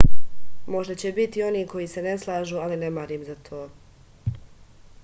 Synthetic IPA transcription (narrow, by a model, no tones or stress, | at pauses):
mo̞ʒd̪at͡ɕe̞bit̪io̞niːko̞jise̞ne̞slˠaːʒualinemaɾiːmzat̪ʰoː